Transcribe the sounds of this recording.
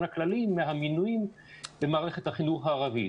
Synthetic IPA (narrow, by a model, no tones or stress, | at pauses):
nhaklalimːeɦaminujim | bemaːʁeχet̪haχinuχhaːʁavḭ